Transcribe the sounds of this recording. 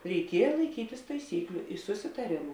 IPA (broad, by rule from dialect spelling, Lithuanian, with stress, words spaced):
rʲɛɪˈkʲiɛjɛ lˠɐɪˈkʲiːtʲɪs tɐɪˈsʲiːklʲʊ sʊsʲɪtɐˈrʲeːmʊ